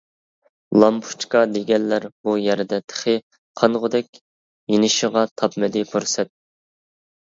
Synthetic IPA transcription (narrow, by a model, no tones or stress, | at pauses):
lˠɑmpʰu̥t͡ʃkɑd̪eɡʲɛnlæɾbujɛɾɪd̪ɛt̪ʰə̥χɪ | qʰɑnʁʊd̪ɛkʲ | jenɪʃɪʁɑt̪ʰɑpmɪd̪ɪpʰuɾsɛt̪̚